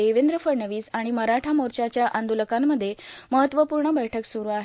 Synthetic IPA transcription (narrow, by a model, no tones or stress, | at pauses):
eʋend̪ɾəfəɾɳəʋiːsaɽ̃iməɾaʈʰamoɾt͡ɕat͡ɕjaʔənd̪uləkamːəd̪ʱːjeməɦət̪ːʋəpuɾɳəbəjʈʰəksuɾuːaɦe